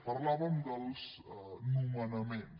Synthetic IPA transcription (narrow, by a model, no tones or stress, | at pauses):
parlamanɡalus | numanamen